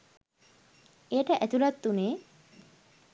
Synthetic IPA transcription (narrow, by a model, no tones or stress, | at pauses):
ejəʈəʔæt̪uɾat̪ːuneː